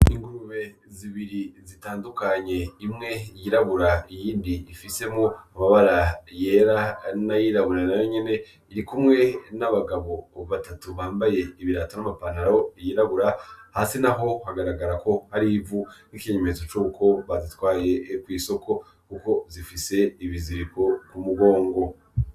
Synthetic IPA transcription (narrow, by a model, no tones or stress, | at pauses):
iŋɡuɾuβe̞ziβiɾizitaːndukaɲe̞imŋe̞jiɾaβuɾaijiːndiːfise̞mŋoamaβaɾaje̞ɾanajiɾaβuɾanajo̞ɲe̞ne̞ | iɾikumŋe̞naβaɡaβo̞βatatuβaːmbaje̞iβiɾatonamapanaɾo̞ijiɾaβuɾahasinaɦo̞haɡaɾaɡaɾako̞haɾivunikieɲemezo̞t͡ʃuːkʰo̞βazitwaːje̞kwiːso̞kʰo̞ | kuko̞zifise̞iβiziβiko̞kumuɡo̞ːŋɡo̞